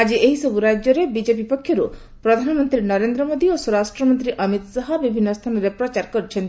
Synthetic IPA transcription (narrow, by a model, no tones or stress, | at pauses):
ad͡ʒieɦisɔbuɾad͡ʒjɔɾebid͡ʒep̬ipɔkʰːjɔɾu | pɾɔd̪ʱanɔmɔnt̪ɾinɔɾend̪ɾɔmod̪iosɔɾasʈɾɔmɔnt̪ɾiʔʌmit̪sɔɦɔbibʱinːɔst̪ʰanɔɾepɾɔt͡ʃaɾkɔɾit͡ʃʰent̪i